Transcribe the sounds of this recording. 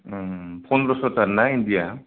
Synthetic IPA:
pʰɔnɾɔsɔtaɾnaindija

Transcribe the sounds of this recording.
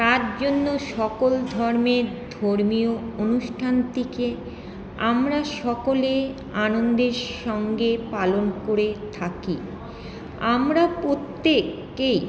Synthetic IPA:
t̪aɾd͡ʑonːoʃɔkold̪ʱɔɾmeɾd̪ʱoɾmioonuʃʈʰant̪ike | amɾaʃɔkole | anond̪eɾʃɔŋɡepalonkoɾet̪ʰaki | amɾapɾot̪ːekː | ej

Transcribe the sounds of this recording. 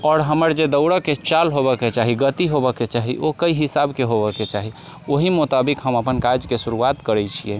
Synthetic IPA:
ɔːɾɦəməɾd͡ʒed̪əʊɽəket͡ʃalɦobəket͡ʃaɦiɡət̪iɦobəket͡ʃaɦḭʔokəiɦisabkeɦobəket͡ʃaɦi | oɦimʊt̪abikɦəməpənkad͡ʒkesuɾuat̪kəɾɛt͡ʃʰijɛ

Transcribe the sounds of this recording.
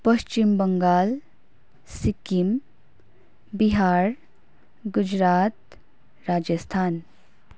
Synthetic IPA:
pɐst͡ʃimbəŋɡaːl | sikim | biɦaːɾ | ɡʊd͡ʒɾaːt̪ | ɾaːd͡ʒəst̪ʰaːn

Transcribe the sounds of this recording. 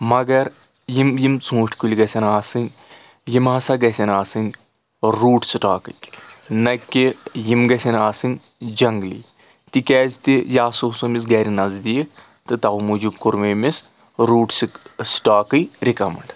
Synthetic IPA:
mɐɡɐɾ | jimjimt͡sʰũːʃʈʰʲkulʲɡɐsʲɐnaːsɨnʲ | jimɐsaɡɐsʲɐnaːsɨnʲ | ɾuːʈsiʈaːkɨkʲnɐkʲːijimɡɐsʲɐnaːsɨnʲ | d͡ʒɐŋɡlḭː | t̪ikʲɛːzʲt̪ijaːsousomisɡɐɾinɐzd̪iːk̚ʰ | t̪ɨt̪ɐumud͡ʒub̚kuɾmemis | ɾuːʈsiksʈaːkɨjɾikɐmɐɳɖ

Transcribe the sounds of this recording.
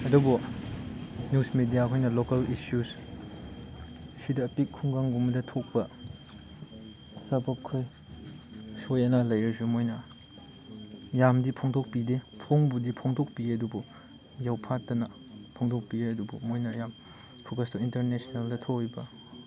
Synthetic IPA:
ɐdubu | njusmedijakʰojnɐlokɐlisjus | sidɐːpikʰːuŋɡaŋɡumɐdɐtʰok̚pɐ | sɐbɐkʰːoj | sojɐnalɐjɐsumojnɐ | jamdipʰoŋtʰok̚pidepʰoŋbudipʰoŋtok̚piɐdubu | jawpʰatːɐnɐ | pʰoŋdʰok̚pieɐdubṵmojnɐjam | pʰokɐstointɐɾnesneldɐtʰokibɐ

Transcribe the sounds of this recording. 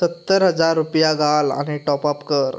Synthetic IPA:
sət̪ːəɾɦəd͡zaɾːupjaɡʱala̰ñiʈɔpapkəɾ

